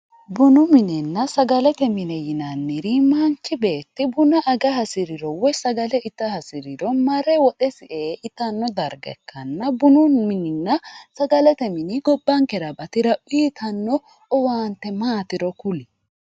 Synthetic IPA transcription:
bʊnʊmɪnɛnːɐsɐɡɐlɛt̪ɛmɪnɛjɪnɐnːɪɾimaːnt͡ʃːɪbe̞ːt̪ːɪbʊnɐʔɐɡɐɦɐsɪɾɪɾɔwɔjsɐɡɐlɛɪt̪ːɐhɐsɪɾɪɾɔmɐɾɛwɔᶑɛsɪʔeːʔɪt̪ɐnːɔd̪ɐɾɡɛ̰kːɐnːɐbʊnʊmɪnɪnːɐsɐɡɐlɛt̪ɛmɪniɡɔbːɐŋkɛɾɐbɐt̪ɪɾɐʔʊiːt̪ʰɐnːɔ | ɔwaːnt̪ːɛmaːt̪ɪɾɔkʊlɪ

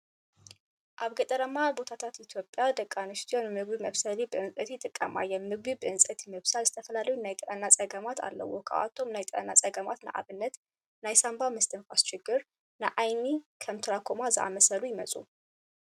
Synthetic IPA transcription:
ʔaβɡət̪ʼəɾəmːabo̞t̪ʰat̪ʰat̪it̪ʰjo̞pʼːjad̪əkʼːanɨʃt̪ʰionmɨɡwiməβsəlibəɨnsʼət̪ʰit̪ʼɨkʼːəma̰jɛnmɨɡwibəɨnsʼət̪ʰiməβsalzɨ̥t̪ʰəfəlaləjunajt̪ʼɨʔənːasʼəɡəmat̪ʰa̰lːə̰wːokʰəa̰ʔa̰t̪ʰːo̞mɨnajt̪ʼəɾʼənːasʼəɡəmat̪nə̰ʔa̰βɨnːət̪ | najsambamɨst̪ʰənfast͡ʃɪɡːɨɾ | nəʔajnikʰəmt̪ʰɨɾakʰomazəʔa̰məsəlujɪməsʼṵ

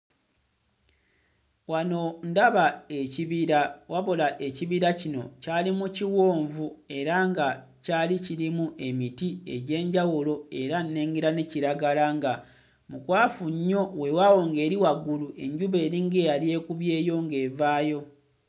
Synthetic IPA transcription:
wano̞ndaβaeciβiɾawaβo̞laʔe̞ciβiɾacino̞̰caːlimuciwoːɱvue̞ɾaŋɡa | caːliciɾimuʔe̞mitie̞̰ɟe̞ːɲɟawulo̞e̞ɾanːe̞ːŋɡeɾaneciɾaɡalaŋɡa | mukwaːfuɲːo̞we̞wawo̞ŋɡe̞ːɾiwaɡuluʔe̞̰ɲɟuβe̞ːɾiŋɡe̞ːjalje̞ːkuβje̞ːjo̞ŋɡe̞ːvaːjo̞

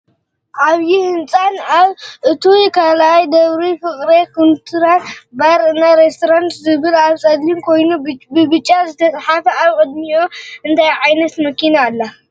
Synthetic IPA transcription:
ʔaβjihɨnt͡sʼanaβʔɨt̪ʰukʰalʔajd̪ɐβɾifɨχʼɾekʰunt̪ʰɨɾatbaɾɨnaɾest̪ʰoɾant̪zɨβɨlaβsʼɐd̪limkʰo̞jnubɨbɨt͡ʃʼːazɨt̪ʰɐt͡sʼħafɐaβkʼɨd̪̚mijoɨnt̪ʰajʕajnɐt̪mɐkinalːɐ

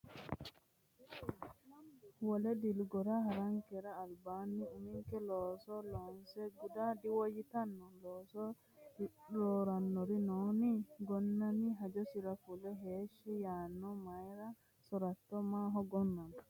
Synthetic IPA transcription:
wɔlɛd̪ilɡɔɾaɦaɾaŋkɛɾaːlbaːnːiumiŋkɛlɔsɔlɔnsɛɡudadiwojit̪anːɔlɔsɔ | ɾɔːɾanːɔɾinɔːniɡɔnːamiɦad͡ʒɔsiɾafulɛɦeːʃijanːɔmajɾa | sɔɾat̪ːɔmaːɦɔɡɔnːan

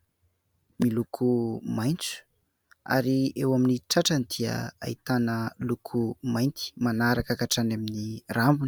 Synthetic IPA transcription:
milukʰumajnt͡su̥ | a̰ɾiewaminiʈ͡ʂaʈ͡ʂənid̪̥iə̰a̰it̪anəlukʰumajnt̪i̥manaɾakakaʈ͡ʂanaminirambuni̥

